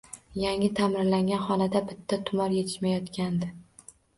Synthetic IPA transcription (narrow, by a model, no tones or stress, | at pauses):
jaŋʲɪt̪ʰamɪɾlaŋɡʲanχɒnad̪abɪt̪ʰːat̪ʰʊmɒɾje̞t̪ʰɪ̥ʃmajɒt̪kʲand̪ɪ